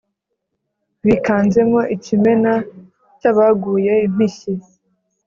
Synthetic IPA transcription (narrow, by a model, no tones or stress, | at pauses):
βikaːnd͡ʒemoʔicime̞na | caβaɡuːjeim̥iʃi